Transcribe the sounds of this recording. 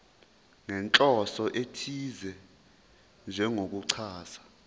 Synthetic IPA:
ŋɛnt͡ɬʼɔsɔʔetʰizɛ | nd͡ʒʱɛŋok̬uǀʰaːsḁ

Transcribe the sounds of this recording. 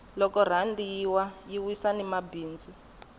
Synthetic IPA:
lɔkɔr̤andijiwajiwisanimabiːnd͡zi

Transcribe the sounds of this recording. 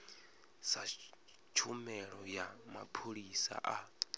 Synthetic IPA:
sa | t͡ʃʰumɛɺɔjama̰pʰoɺisa̰ʔa

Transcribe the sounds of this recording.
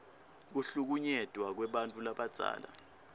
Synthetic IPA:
k̬uɬuk̬uɲɛd̥ʱwak̬wɛɓantʼulaɓad̥z̥ʱa̰ːla̰

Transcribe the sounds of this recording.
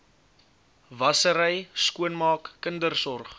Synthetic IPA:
vɐsəɾəjskuənmɑːkːəndərsɔrχ

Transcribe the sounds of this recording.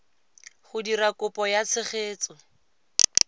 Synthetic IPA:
χʊdirakʊpɔjat͡sʰɪχeːt͡sɔ

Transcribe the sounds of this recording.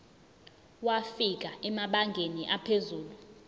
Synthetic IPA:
wafik̬aɛmaɓaŋɡʱeniʔapʰezuːlu

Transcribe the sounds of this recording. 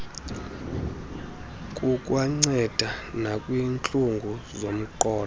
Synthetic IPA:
kʼukʼwaŋ͡ǀɛd̥ʱanakʼwiːnt͡ɬʼuŋɡʱuzom̩ǃɔːl

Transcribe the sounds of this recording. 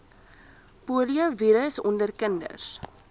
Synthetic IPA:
puːliəviɾəəsɔndərkəndə̰rs

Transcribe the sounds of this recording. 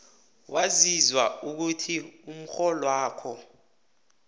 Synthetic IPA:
wʔazizwauk̬utʰium̩xɔlɔwaːkʰɔ

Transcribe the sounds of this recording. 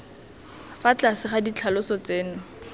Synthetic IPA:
fat͡ɬasɪχadit͡ɬʰalʊsɔt͡seːnʊ

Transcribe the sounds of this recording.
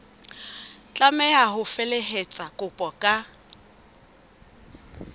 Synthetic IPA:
t͡ɬʼamɛaɦʊfeleɦet͡sʼakʼʊpʼɔkʼa

